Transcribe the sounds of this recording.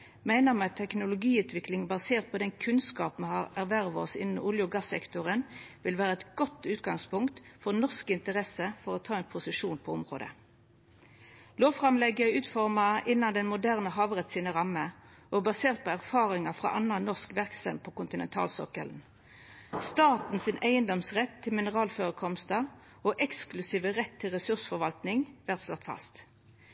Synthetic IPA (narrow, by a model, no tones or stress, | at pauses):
mæɪnəʁmɛɑt̪ʰːɛknʊlʊɡiːʉːt̪ʰʋɪklɪŋbɑseːʁt̪̚pʰɔd̪ɛnkʰʉnskɑːpm̩hɑʁæʁʋæʁʋɔ̰sɪnn̩uːljʊɡɑsːɛkt̪ʊʁənʋɪlʋæːʁəɛt̪ɡ̥ɔt̪ːʉːt̪ɡɑŋspʊŋkt̪fɔʁnɔʁskɪnt̪əʁɛsəfɔʁɔt̪ʰɑːɛnpʰʊsəʂuːnpʰɔʊmʁo̰ːd̪ə̰ | loːʋfʁɑmlɛɡəʉːt̪fɔʁmɑɪnːɑnd̪ɛnmʊd̪æʁnəɦɑːʋʁɛt̪siːnəʁɑmːə | ʔɔbɑseːʁt̪̚pʰɔːæʁfɑːʁɪŋɑfʁɑ̰ʔɑnɑnɔʁskʋæʁksɛ̰mpʰɔkʊnt̪ɪnɛ̰nt̪ʰɑ̰ːlsɔ̰kə̰ln̩ | st̪ɑːt̪n̩sɪnʔæɪənd̪ɔmsʁɛt̪ʰːɪlmɪnəʁɑːlføːʁəkʰɔmst̪ɑ | oʔɛksklʉsiːʋəʁɛt̪ʰːɪlʁɛsʉʁsfɔʁʋɑlt̪nɪŋʋæʁt̪slɔt̪ːfɑ̰st̪